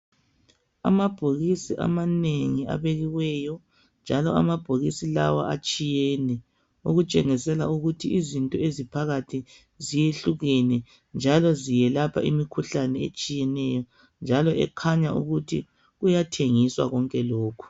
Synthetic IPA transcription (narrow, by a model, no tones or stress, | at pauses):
a̰mab̥ʱoɣisiʔa̰maneŋia̰βeɣiwɛjɔ | nd͡ʒʱalɔa̰mab̥ʱoɣisila̰wa̰at͡ʃʼijɛnɛ | uɣut͡ʃʼɛŋisɛla̰uɣutʰiizintʼɔezipʰaɣatʰi | zijeɬuɣɛnɛ | nd͡ʒʱalɔzijɛlapʰa̰ḭmikʰuɬanɛḛt͡ʃʼijɛnɛjɔ | nd͡ʒʱalɔɛ̰kʰaɲaṵɣutʰi | ɣujatʰeŋiswa̰ɣɔŋkʼɛloːkʰu̥